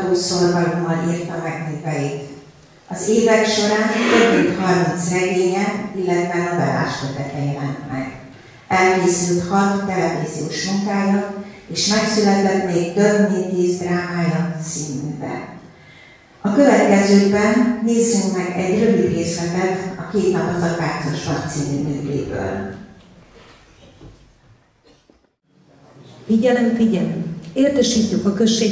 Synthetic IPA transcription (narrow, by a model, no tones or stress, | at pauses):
d̪oːsorɡɒlomɒliːrt̪ɒmɛknikɛjit̪ | ɒzeːvɛkʃo̞ɾaːnt̪øbmint̪hɒrmint̪srɛɡeːɲɛilːɛt̪vɛnɒbɛla̰ːʃkøt̪ɛt̪ɛjɛlɛnt̪mɛ̰ɡ | ɛlkeːsylt̪hɒt̪t̪ɛlɛviːzijoːʃmuŋkaːjɒt̪eːʃmɛksylɛt̪ɛt̪meːɡt̪ø̞bnet̪ːiːzd̪raːmaːjɒsiːnyŋɡbɛ̰ | ɒkøvɛt̪kɛzøːɡbɛnːeːzːyŋkmɛɡɛɟrøviɡreːsbɛɛt̪ɒkeːt̪nɒpɒzɒt̪vaːsoʃmɒkt̪siːnynøkḛːbø̰ːl | iːɟɛlɛmfiɟɛleːrt̪ɛʃiːc̪ːykɒkøʃːeː